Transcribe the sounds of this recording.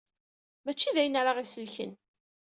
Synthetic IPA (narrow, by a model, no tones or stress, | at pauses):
mæt͡ʃːiðæjənɾaʁisəlçə̰n